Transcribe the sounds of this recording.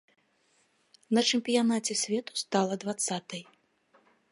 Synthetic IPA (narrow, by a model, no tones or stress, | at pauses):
nɐt͡ʂɛmpʲijanat͡sʲɛsʲvʲɛt̪u̥st̪alˠɐd̪vat̪sːat̪ɐj